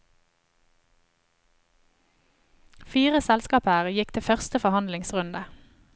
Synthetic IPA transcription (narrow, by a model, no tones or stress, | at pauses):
fiːʁəsɛlskɑːpəːʁəjɪkt̪ʰɪfœʁst̪əfɔhɑnd̪lɪŋsʁʉnd̪ə